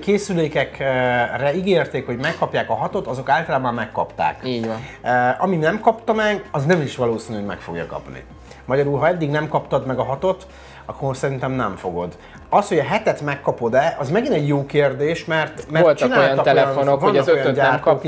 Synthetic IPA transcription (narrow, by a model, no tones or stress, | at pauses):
keːsyleːkɛkrɛiɡeːrt̪eːkho̞ɟmɛkːɒpjaːkɒɦɒt̪o̞t̪ɒzo̞kaːlt̪ɒlaːbɒmːɛkːɒ̰pt̪a̰ːkiː | ɒminɛmkɒpt̪ɒmɛɡɒznɛmiʃʋɒloːsiːnyoɟmɛ̰kfo̞̰ɡjɒ̰kɒ̰pnḭ | mɒɟɒɾuːlɦɒɛd̪ːiɡnɛmkɒpt̪ɒd̪mɛɡɒɦɒt̪o̞t̪ | ɒkːosɛɾint̪ɛmnɛɱfo̞̰ɡo̞̰d̪ | ɒsho̞ɟɒɦɛt̪ɛt̪mɛkːɒpo̞d̪ɛɒzmɛɡinɛɟjoːkeːrd̪eːʃmɛrt̪mɛoltt͡ʃ̪inaj̪ɒk̪ɛlɛjnonovɒnkojɟaɛːrtɔ